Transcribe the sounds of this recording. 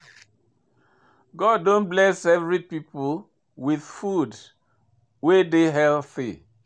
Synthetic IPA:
ɡɔdːõnblɛsɛvɹipipol | wið̥fud | wedeɦɛlθḭ

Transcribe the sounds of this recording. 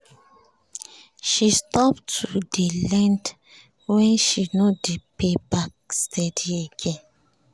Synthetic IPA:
ʃistɔptʰudelɛ̃nd | wɛ̃nʃinodepebak̚stʰɛdieɡɛ̃n

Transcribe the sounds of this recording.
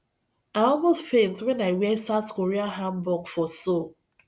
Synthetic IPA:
aɔlmostfẽntwɛnaɪwɛsatkoɾiaɦambɔɡfɔso

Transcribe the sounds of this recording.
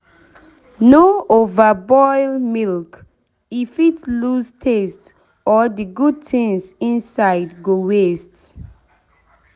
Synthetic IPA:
noovəbɔɪlmilk | ifitlustʰest | ɔdiɡud̚tĩŋsĩnsaɪdɡowest

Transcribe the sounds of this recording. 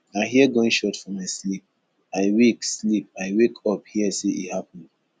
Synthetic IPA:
aɪɦiɛɡoĩnʃɔtfɔmaɪslip̚ | aɪwekslip̚aɪwekʰɔp̚hiəseʔḭhapə̃nd

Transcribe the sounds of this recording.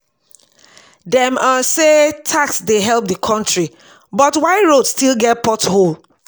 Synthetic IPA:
dɛ̃masetʰaksdeɦɛlˠp̚dəkʰɔ̃ntɹi | bɔtwaɪɹodstilˠɡɛt̚pɔthol

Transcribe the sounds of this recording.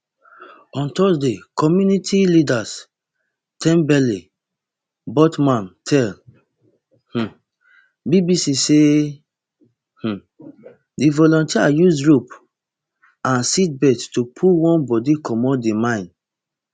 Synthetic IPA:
ɔ̃ntɔsdekɔmjunitʰilidas | tʰɛ̃mbɛli | bɔtmãntʰɛl | h̩ | bibisise | h̩ | divɔlɔ̃ntiajusɹup | ãnsit̚bɛdtupʰulwɔ̃nbɔdikʰɔmɔ̃dimãɪ̃n

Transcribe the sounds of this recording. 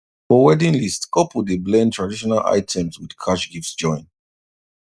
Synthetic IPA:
fɔwɛdĩnlistkɔpwudeblɛ̃ntʰɹadiʃɔnalʔa̰ɪtʰɛ̃mswid̥kʰaʃɡiftsd͡ʒɔ̃ɪ̃n

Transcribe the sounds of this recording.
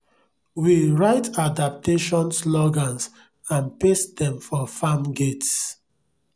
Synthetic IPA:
wiɹaɪtadap̚tʰeʃɔ̃nslɔɡãns | ãnpesdɛ̃mfɔfamɡets

